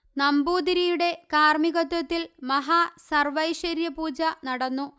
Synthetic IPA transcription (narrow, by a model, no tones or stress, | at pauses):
nɐmbuːd̪iɾijuɽe̞kaːrmiɣɐt̪ːɐt̪ːilmɐɦaːsɐrʋɐjʂɐɾjɐpuːd͡ʑɐnɐɽɐnːu